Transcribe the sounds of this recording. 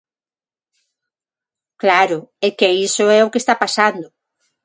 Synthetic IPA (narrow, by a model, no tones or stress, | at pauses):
klaɾʊekeisoɛokest̪apasand̪ʊ